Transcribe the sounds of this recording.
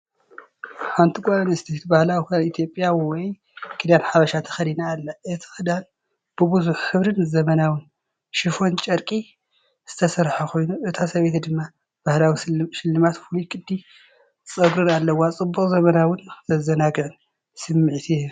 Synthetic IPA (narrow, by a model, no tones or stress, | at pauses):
hant̪ʰikʷʼanɨst̪ʰet̪bahlawikanit̪ʰjo̞pʼjawɔj | kʰɨd̪anħaβɐʃat̪ʰɐ̥xɐd̪inaːlːɐʔɨt̪ʰi̥xɨd̪an | b̥ɨbɨzuħːɨβɾɨnzɐmɐnawɨn | ʃɪfo̞nt͡ʃʼɐɾkʼi | z̥ɨt̪ʰɐsɐɾħakʰo̞jnuʔɨt̪ʰasɐβet̪d̪ɨmːa | b̥ahlawiʃɪlːɨmat̪fulikʼɨd̪ːi | t͡sʼɐɡɾɨnalːɐwːat͡sʼɨbːukʼzɐmɐnawɨnzɐzɐnaɡɨʕɨn | sɨmːɨʕt̪ʰi